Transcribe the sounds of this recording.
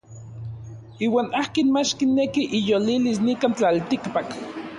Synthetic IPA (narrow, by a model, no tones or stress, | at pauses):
iːwaːnahkinmat͡ʃkinːekiʔijolilisnikant͡ɬalt̪ikpak